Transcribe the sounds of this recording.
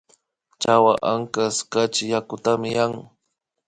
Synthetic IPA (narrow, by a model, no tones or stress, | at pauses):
t͡ʃawaʔaŋkaskat͡ʃɪjakʊt̪amɪjaŋ